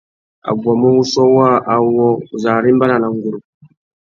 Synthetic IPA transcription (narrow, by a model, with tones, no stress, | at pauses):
a̰˨ɡwa˨mɔ˦wu˦sɔ˦wa˦ʔa˨wɔ˦˨za˨ɾi˦mba˦na˨na˨ŋɡu˨ɾu˨